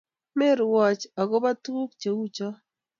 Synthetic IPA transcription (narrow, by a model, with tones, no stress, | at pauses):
mɪ˦ɾwɔ˨t͡ʃa˨ɡo˦ba˦tu˦k̚t͡ʃe˨wu˦t͡ʃɔ˦